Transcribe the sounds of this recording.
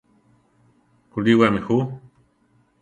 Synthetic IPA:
kuliwamixu

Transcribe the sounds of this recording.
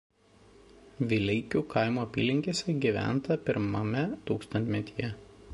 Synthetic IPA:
ʋʲɪlʲɛɪkʲuːkɐˑɪmuːɐpʲḭːlʲɪŋʲkʲeːsʲɛɡʲiʋʲæ̰ˑnt̪ɐpʲɪɾmɐmʲɛt̪uːkst̪ɐnʲt̪ʲmʲɛt̪ʲijɛ

